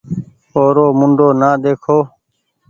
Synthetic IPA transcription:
oːɾoːmʊɳɖoːnaːd̪eːkʰoː

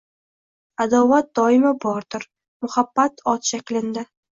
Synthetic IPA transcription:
ad̪ɒvat̪̚d̪ɒɪmabɒɾd̪ʊɾ | mʊhabːat̪ʰɒt̪ʃakʲlɪnd̪ɪ

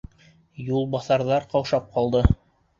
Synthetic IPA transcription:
julˠbɑθɑɾðɑɾqɑwʃɑp̚qɑlˠd̪ɤ

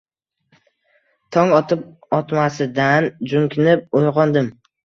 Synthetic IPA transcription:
t̪ʰɒŋɒt̪ʰɪp̚ | ɒt̪masɪd̪and͡ʒʊŋkʲʰɪnɪp̚ojʁɒnd̪ɪm

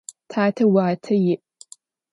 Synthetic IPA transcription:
tʰaːtʰɐwaːtʰɐjɪʔ

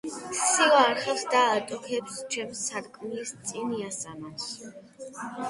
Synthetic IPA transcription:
siaɾχɛvsd̪aːt̪ʼɔkʰɛpst͡ʃʰɛmsaɾkʼmilist̪sʼiniasamas

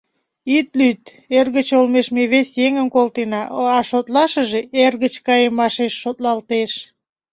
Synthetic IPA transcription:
it̪lyt̪ | erɣət͡ɕolmeʃmeβesjeŋənkolt̪enɑɑʃot̪lɑʃəʒeʔerɣət͡ɕkɑjemːɑʃeʃːot̪lɑlt̪eʃ

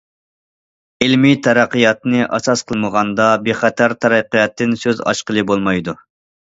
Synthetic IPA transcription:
ɪlmit̪ʰɛɾæqːijɑt̪nɨʔɑsɑsqʰəlˠməʁɑnd̪ɑbeχæt̪ʰæɾt̪ʰɛɾæqːijɑt̪ːɨnsøzɑ̰ʃqəlˠɨbolˠmɑjd̪u

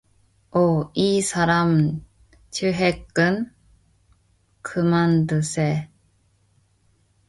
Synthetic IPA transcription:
oisaɾam | t͡ɕɨɦekːɯn | kʰɯmand̪ɯse

